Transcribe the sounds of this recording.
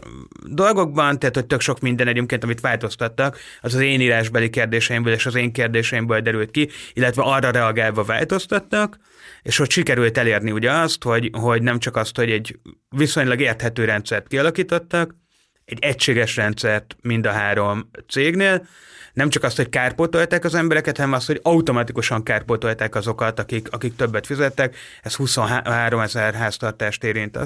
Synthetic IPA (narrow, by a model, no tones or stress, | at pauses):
d̪o̞lɡo̞ɡ̚bɒnt̪ɛɦat̪hoc̚ʲt̪ø̞kʃo̞kmind̪ɛnɛɟeːmkeːnt̪ɒmit̪ʋaːlt̪o̞st̪ɒt̪ːɒk | ɒzɒzeːniːɾaːʒbɛlikeːrd̪eːʃɛimbøːleːʃɒzeːŋkeːrd̪eːʃɛimbøːld̪ɛɾylt̪̚kiilːɛt̪ʋɛʔɒrːɒɾɛɒɡaːlvɒva̰ːlt̪o̞st̪ɒt̪ːɒk | eːʃhocʃikɛɾylt̪ɛleːrniuɟɛɒst̪ho̞ɟɦo̞ɟnɛmt͡ʃɒkɒst̪ho̞ɟɛɟːviso̞ɲlɒɡeːrt̪hɛt̪øːɾɛnt̪sɛrt̪kiɒlɒkiːt̪o̞t̪ːɒk | ɛɟːɛcʃeːɡɛʃrɛnt̪sɛrt̪mind̪ɒɦaːɾo̞mt̪seːɡneːl | nɛmt͡ʃɒkɒst̪ho̞ckaːrpot̪o̞lt̪aːkɒzɛmbɛɾɛkɛt̪hɒnɛmɒst̪ho̞ɟɒut̪o̞mɒt̪ikuʃɒŋkaːrpot̪o̞lt̪aːkɒzo̞kɒt̪ɒkikɒkikt̪ø̞bːɛt̪fizɛt̪ːɛk | ɛst̪huso̞nɦɦaːɾo̞mɛzɛrɦaːst̪ɒrt̪aːʃt̪eːɾint̪ɒ̰